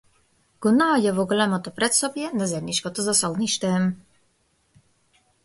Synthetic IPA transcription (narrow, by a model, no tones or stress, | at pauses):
ɡ̥unajɛvɔɡlɛmɔt̪ɔpɾɛt̪sɔpjɛnɛzɛɾniʃkɔt̪ɔzasɔlniʃt̪ɛm